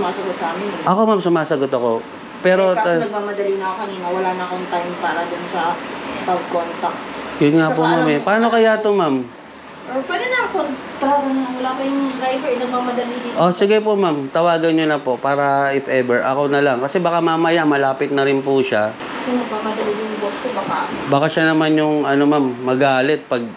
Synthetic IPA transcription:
maːsɐɡot̪sɐʔaːmɪnʔɐko̞mamsʊmaːsɐɡot̪ɐko̞ | pɛːɾonɐɡ̚maːmɐd̪ɐlinɐkokɐniːnowɐlaːnɐkoŋt̪ajmpaːɾɐd̪ʊnsɐpɐɡ̚kont̪ɐk̚jʊnŋapʊmamɛpaːno̞kɐjaːt̪omam | ʔopad̪ɐnɐkot̪ɾad̪ɐnnɐŋwɐlakɐjʊŋd̪ɾajbɛɹɪnɐmaɐmɐd̪ɐlinɪʔosɪɡajpomamt̪ɐwaːɡɐnɲonɐpo̞paːɾɐɪfɛbɛɹʔɐkonɐlɐŋkɐsɛbɐkamamɐjamɐlaːpɪt̪̚nɐɾɪnpʊʃa | jʊŋmɐɡ̚mamɐd̪ɐlɪnjʊŋboskobaka̰baːkaʃanɐmanjʊŋɐnomamːɐɡaːlɛt̪̚pɐɡ̚

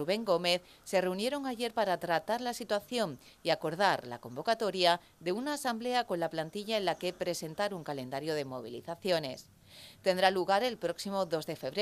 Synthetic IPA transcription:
uβe̞ŋɡo̞me̞θ | se̞re̞unje̞ɾo̞ŋaʝe̞ɾpaɾat̪ɾat̪aɾlasit̪waθjo̞n | iako̞ɾð̞aɾla̰ko̞mbo̞kat̪o̞ɾja | ðe̞unaːsamble̞ako̞nlaplant̪iʎaenlake̞pɾe̞se̞nt̪aɾuŋkale̞nd̪aɾjo̞ð̞e̞mo̞̰β̞ḭlḭθaθjo̞ne̞̰s | t̪e̞nd̪ɾaluɣaɾe̞lpɾo̞ksimo̞ðo̞zðe̞fe̞βɾe

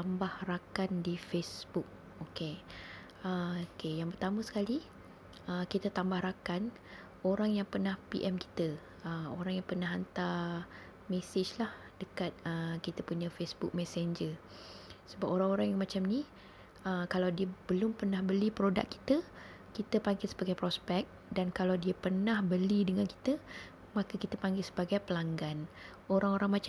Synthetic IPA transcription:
t̪ambahrakandifesbuk̚ | oke | əokejaŋpərt̪amə̃sə̥kali | əkit̪at̪ambahɾakan | oɾaŋjaŋpərnahpḭʔɛmki̥t̪ə | əoɾaŋjaŋpərnaɦant̪a | mɛsed͡ʒlah | dəkat̪̚əkit̪əpuɲãfesbuk̚mɛsɛɲd͡ʒə | səbap̚oɾaŋoɾaŋjaŋmat͡ʃamni | əkalawdiəb̥əlʊmpərnahbəlipɾoda̰kːi̥t̪ə | kit̪əpaŋɡɪlsəbaɡajpɾospɛk̚ | dankalawdiapərnahbəlidəŋanki̥t̪ə | makəkit̪əpaŋɡɪlsəbaɡajpəlaŋɡan | oɾaŋoɾaŋma

